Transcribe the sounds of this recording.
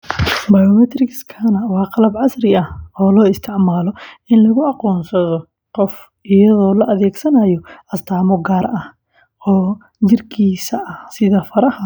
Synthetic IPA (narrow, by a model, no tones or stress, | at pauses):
bajɔmɛt̪ʰrɪkskʰɐnɐwɑːqɑlɐbʕɑsrɪɐhɔːlɔːɪst̪ʰɪʕmaːlɔɪnlɐɣʊɑqɔːnsɐðɔ | qɔf | ʔɪjɐðɔːlɐʔɐðɛːɡsɐnaːjɔʔɐst̪ʰaːmɔɡaːɾɐh | ɔː | t͡ʃɪrkʰiːsɐʔɐhsɪðɐfɐɾɐhɐ